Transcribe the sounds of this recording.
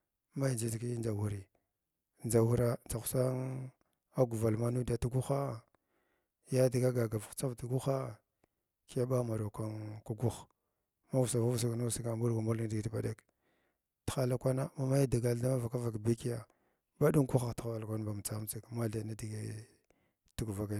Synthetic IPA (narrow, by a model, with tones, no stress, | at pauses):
ma˦jd͡ʒi˨dki˦nd͡ʒa˨wu˨ɾi˨ | n˨a˨wu˦ɾa˦nd͡za˨xu̥˨sa˦ŋ | a˦ɡu˨va˨lma˦nu˦da˨ti˦ɡu˦xa˦ | ja˦di˨ɡa˦ɡa˨ɡa˨vu˨xt͡sa˦vti˨ɡu˦xa˦ | ki˦ja˦ba˦ma˨ɾo˨ka˦nku˦ɡu˦x | ma˦vu˨sa˨va˦vu˨s̬i˦kna˦si˦ɡa˨mbu˦ɾɡa˨mu˦lŋ˦di˨ɡi˨tba˨da˦k | txa˦la˦kʷa˦na˦ma˦ma˦ja˦da˨ɡa˨la˦ma˦va˨ka˦va˨kbi˦ki˦ja˨ | ba˦ɗu˦ŋku˦xa˨txa˨a˨la˨kʷa˦n˦ba˨m˨t͡sa˦m˦t͡si˦˨kma˦ɮa˨na˦di˨ɡi˦ | ti˦ɡu˨va˨ka˨